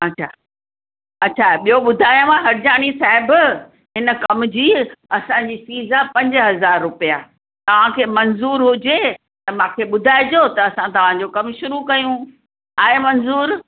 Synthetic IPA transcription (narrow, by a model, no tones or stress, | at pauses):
ɐɕʰa | ɐtːɕʰaɓijoɓʊd̪ʱaːjõmãɦɐɾɪd͡ʑaːɽ̃isaːɦɪb | ɦɪnə̆kɐmd͡ʑiːɐsãd͡ʑiːsiːzapɐ̃ɲd͡ʑɦɐzaːɾːʊpijaː | t̪ɐʋ̤ãkʰeːmɐnzuːɾɦʊd͡ʑe | t̪ɐmãːkʰeːɓʊd̪ʱaːɪd͡ʑot̪ɐːsãt̪ɐʋ̤ãɲd͡ʑokɐmʃʊɾukɐjũ | aːɦemɐnzuːɾ